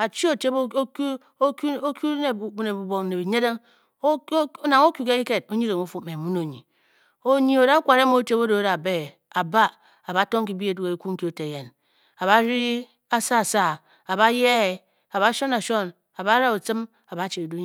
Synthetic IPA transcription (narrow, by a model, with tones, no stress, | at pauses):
a˨t͡ʃi˦o˨te˦bk | o˦ku˦ne˨bu˦ne˨bu˨bo˨kne˨bi˨ɲe˦de˦ŋ˦ | o˦na˨ŋo˦ku˨ke˦i˦ke˨t̚o˦ɲi˦ɾe˨ŋo˦fu˨me˨mu˦no˨ɲḭ˨ | o˦˨ɲi˦o˨da˦kʷa˨ɾe˦mo˦te˦bo˦do˨˦da˨be˦˨ | a˨ba˦ | a˨ba˨˦to˦ŋ˦k̬i˨bi˦e˨du˦ke˨ku˦ŋ̩˦ki˦o˨te˨je˨n | a˨βa˦ɾi˦ | a˦sa˦˨sa˦˨ | a˨ba˦je˦e˨ | a˨ba˦ʃo˦na˨ʃo˦n | a˨ba˦ɾa˦o˨t͡sɨ˦m | a˨ba˨˦t͡ʃe˨i˨du˦˨